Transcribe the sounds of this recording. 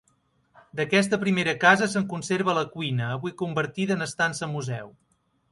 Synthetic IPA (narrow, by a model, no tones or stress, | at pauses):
d̪əkɛs̬t̪əpɾimeɾəkazəsəŋkunseɾβ̞ələkwinəːβijkumbəɾt̪iðəːnəst̪ansəmːuzɛw